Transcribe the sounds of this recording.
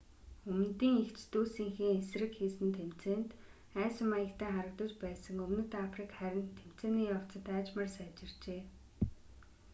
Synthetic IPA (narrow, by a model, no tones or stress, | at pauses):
ɵmn̆t̪iːŋekt͡ɕʰt̪uːsiːŋxiːŋesrɘ̆kxiːsɘ̆nt̪ʰːem̥t͡seːnt̪ | æːsə̆majə̆kt̪ʰæːŋχaɾə̆k̚t̪ə̆t͡ɕpæːsə̆ŋɵmnɘ̆t̪afrikχæɾʲɪ̆nt̪ʰːem̥t͡seːniːjaw̥t͡sə̆t̪aːt͡ɕmə̆rsaːt͡ɕɪ̆rt͡ɕeː